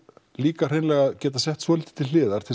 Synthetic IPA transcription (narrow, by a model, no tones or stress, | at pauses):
liːkar̥eːjnlɛːɣaðcɛːt̪asɛht̪svɔːlɪːt̪ɪ̥t̪ʰɪlːɪːðaɾ̥t̪ʰɪl